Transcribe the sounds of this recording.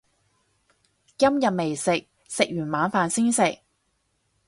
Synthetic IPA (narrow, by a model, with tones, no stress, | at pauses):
ɐ˥mjɐ˨t̚me˨˩jsɪ˨k̚ | sɪ˨k̚jyː˨˩nmaː˨˧nfaː˨nsiː˥nsɪ˨k̚